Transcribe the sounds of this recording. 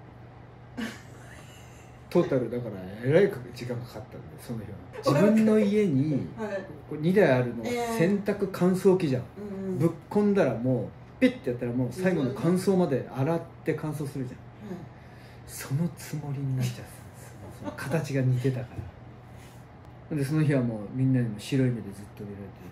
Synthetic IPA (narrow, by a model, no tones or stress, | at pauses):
t̪o̞ːt̪aɾɯ̟d̪akaɾaeɾaikd͡ʑikãŋkʰḁkat̪ːa̰nd̪esonːoçoːnad͡ʑibɯ̟̃nːo̞ie̞ɲ̟i | koɲ̟id̪aiaɾɯ̟no̞sẽ̞nt̪akɯ̟kʰãɰ̃so̞ːkʲiʑã̰bɯ̟kːõ̞nd̪aɾamo̞ː | pʲit̪ːe̞jat̪ːaɾamo̞ːsaiɡo̞no̞kʰãɰ̃so̞ːmad̪e̞aɾat̪ːe̞kʰãɰ̃s̬o̞ːsɨɾɯ̟ʑã̰ | so̞no̞t͡sɨmo̞ɾʲiɲiɕi̥t̪a | sonokʰat̪at͡ɕiɡaɲ̟it̪e̞t̪akaɾa | õnd̪e̞so̞no̞çiβamo̞ːmʲĩnːaɲ̟imo̞ɕiɾo̞imed̪e̞zɨt̪ːoiɾaɾet̪e